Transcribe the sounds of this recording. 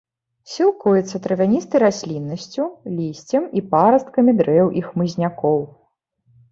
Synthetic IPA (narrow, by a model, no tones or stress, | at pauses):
sʲilˠkujɛt̪sːɐt̪ɾɐvʲanʲist̪ɐjɾasʲlʲinːɐsʲt͡sʲulʲisʲt͡sʲɐmipaɾɐst̪̚kɐmʲid̪ɾɛjwʔixmɨzʲnʲakɔw